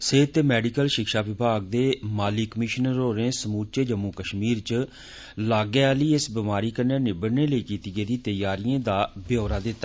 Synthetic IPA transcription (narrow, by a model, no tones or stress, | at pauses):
seːt̪eːmɛːɖiːkəlʃɪkʃaːʋɪbʱaːɡ̚d̪eːmaːliːkəmɪʃənəɾoːɾẽːsəmuːt͡ʃeːd͡ʒəmːuːkəʃmiːɾt͡ʃ | laːɡeːaːləiːɪsbɪmaːɾiːkəneːneːbəɽneːləiːkiːt̪iːɡeːd̪iːt̪əjaːɾijãːd̪aːbjoːɾaːd̪ɪt̪ːa